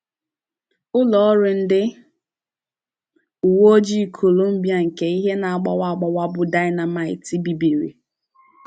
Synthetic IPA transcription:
ʊ˦lɔ˨ɔ˦ɾɪ˨n̩˦dɪ˦ | u˨wo˦o˦d͡ʒi˦˨kʰo˨lo˦m̩˦bi˨˦a˨ŋ̩˨ke˨i˦ɦe˦na˨a˨ɡ͡ba̰˨wa˦˨ɡ͡ba˨wa˦bʊ˦da˦ɪ˦na˨ma˨ɪ̰˨ti˦bi˨bi˨ɾḭ˨

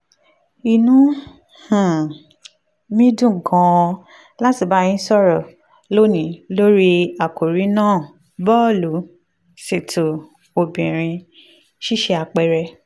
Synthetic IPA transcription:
i˨nũ˨˦ | h̩˨ | mĩ˦dũ˦˨ɡɔ̃˨˧ | la˦ti˨˧˨ba˨˦j̃ĩ˦sɔ˦˨ɾɔ˨ | lo˦nĩ˨˦lo˦ɾi˦a˨ko˨ɾi˨˦nãː˦˨ | bɔ˦˨lu˨˦ | se˨tʰo˨ | o˨bĩ˨ɾ̃ĩ˧ | ʃi˦ʃe˧a˧k͡pɛ˧˨ɾɛ˧

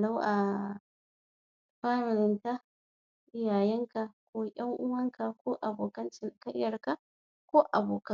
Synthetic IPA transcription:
la˦wʔa˨ | ɸaː˦ɾɪ˨nɪ˨nta˦ | ʔɪ˦jaː˨jɛ˦ŋka˨kʷoː˦jɐ˦ŋʔʊ˦wɐ˦ŋka˨koː˦ʔa˨boː˨kɐ˦nt͡ʃɪ˨nkɐ˦jːɐ˨ɾka˦ | kʷoː˦ʔa˨boː˨kɐ˦

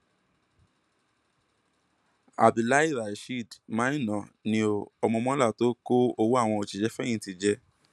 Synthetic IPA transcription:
a̰˨bĩ˨la˦i˦˨ɾa˨i˨ʃi˦˨dmãː˦i˦˨nã˨nĩ˧o˧ɔ˧mɔ̃˧mɔ̃˦la˦˨to˨˦ko˦o˧wu˦a˦˨w̃ɔ̃˧o˧t͡ʃi˧d͡ʒɛ˦fɛ̃˦ĩ˧˦ti˧d͡ʒɛ˧˦

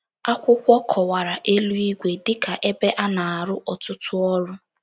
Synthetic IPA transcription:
a˦kʷʊ˦kʷɔ˦kʰɔ˨wa˨ɾa˨ʔe˦lu˦i˦ɡʷe˦dɪ˦ka˨ʔe˦be˦ʔa˦na˨a˨ɾʊ˦ʔɔ˨tʊ˦tʊ˦ɔ˦ɾʊ˦

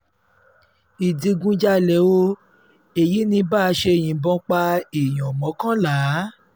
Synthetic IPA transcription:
i˨di˨˧ɡũ˧d͡ʒa˦lɛ˨˦wo˦ | e˨ji˨˦nĩ˧ba˦˨˧ʃe˧e˨j̃ĩ˨˦bɔ̃˧k͡pa˧i˨j̃ɔ̃˨mɔ̃˨˦kã˦la˨˦

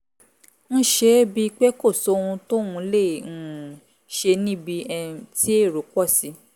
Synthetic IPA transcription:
ñ̩˦ʃe˧bi˧k͡pe˦ko˦˨so˦˧ũ˧to˦ũ˧lẽ˦˨ | ʃe˧nĩ˦bi˧ɛ̃˧ti˦e˦˨ɾo˨k͡pɔ˦˨si˨˦

